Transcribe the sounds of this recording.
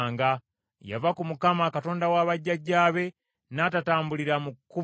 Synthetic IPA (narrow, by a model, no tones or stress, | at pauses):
ŋɡa | ja̰vakumukamakato̞ːndawaːβaɟːaɟaːβe̞ | naːtataːmbuliɾamukːu